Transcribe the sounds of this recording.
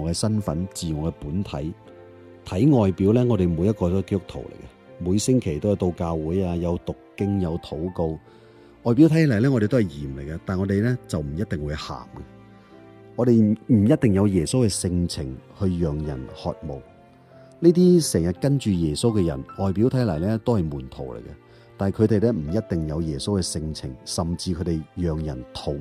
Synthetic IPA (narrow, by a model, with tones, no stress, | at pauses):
ɔ˨˧kɛː˧sɐ˥nfɐ̰˨˥nt͡siː˨ŋɔː˨˧kɛ˧puː˨˥nt̪ʰɐ˨˥j | t̪ʰɐ˨˥jŋɔː˨jpiː˨˥wlɛː˥ŋɔː˨˧ɾe˨jmuː˨˧jɐ˥t̚kɔː˧ɔ˥ke˥t̪ʊ˥k̚t̪ʰo̰˨˩wlḛ˨˩jkɐ˧ | muː˨˧jsɪ˥ŋkʰe˨˩jt̪o˥wjɐ˨˧wt̪o˧wkaː˧wuː˨˥jaː˧jɐ˨˧wt̪ʊ˨kːɪ˥ŋjɐ˨˧wt̪ʰo˨˥wko˧w | ʔɔː˨jpi˨˥wt̪ʰɐ˨˥jlɐ˨˩jlɛː˥ŋɔː˨˧e˨t̪o˥whɐ˨˩jjiː˨˩mle˨˩jkɐ˧t̪aː˨nŋɔː˨˧d̪e˨jlɛː˥t͡sɐ˨wm̩˨˩jɐ˥t̚t̪ɪ˨ŋwuː˨˧jha̰ː˨˩mkɐ˧ | ŋɔː˨˧ɾe˨jm̩˨˩jɐ˥t̚t̪ɪ˨˩ŋjɐ˨˧wjɛː˨˩so˥wkɛː˧sɪ˧ŋt͡sʰɪ˨˩ŋhɵ˧ɥjœː˨˩ŋjɐ˨˩nhɔ̰ː˨t̚mo̰˨˩w | niː˥t̪̬iː˥sɛː˨˩ŋjɐ˨t̚kɐ˥nt͡ʃyː˨jɛː˨˩so˥wkɛ˧jɐ̰˨˩nɔː˨˩jpiː˨˥wt̪ʰɐ˨˥jlɐ˨˩jlɛː˥t̪o˥whɐ˨jmuː˨˩nt̪ʰo˨˩wlḛ˨˩jkɐ˧ | t̪aː˨n˨kʰɵ˨˧ɥt̪e˨jlɛː˥m̩˨˩jɐ˥t̚t̪ɪ˨ŋjɐ˨˧wjɛː˨˩so˥wkɛː˧sɪ˧ŋt͡sʰɪ̰˨˩ŋsɐ˨mt͡siː˧kʰɵ˨˧t̪e˨jjœː˨ŋjɐ˨˩nt̪ʰo˨˧˩w